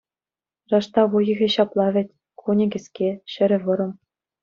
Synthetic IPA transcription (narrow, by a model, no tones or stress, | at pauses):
rɑʂt̪ɑʋujɤ̆ɣʲĕɕɑplˠɑvʲɘ̆tʲ | kʰunʲɘ̆ɡʲɘ̆skʲeɕɘ̆ɾʲɘ̆ʋɤ̆ɾɤ̆m